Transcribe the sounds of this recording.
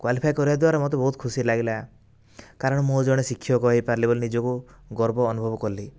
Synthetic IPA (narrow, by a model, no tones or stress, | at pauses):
kwalipʰajkɔɾibad̪waɾɔmɔt̪̬ebɔɦut̪̚kʰusilaɡila | kaɾɔɽ̃ɔmod͡ʒɔɽ̃esikʰːijɔkɔɦipaɾlibolinid͡ʒɔku | ɡɔɾbɔːnubʱɔbɔkɔɾli